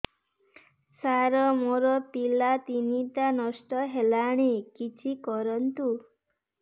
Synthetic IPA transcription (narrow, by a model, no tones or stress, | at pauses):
saɾɔmoɾɔpilat̪init̪anɔsʈɔɦelaɽ̃ekit͡ʃʰikɔɾɔnt̪u